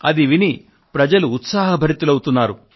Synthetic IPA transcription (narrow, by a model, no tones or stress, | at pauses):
ɐd̪iʋini | pɾɐd͡ʒɐluːt̪saːɦɐbʱɐɾit̪ulɐwut̪unːaːɾu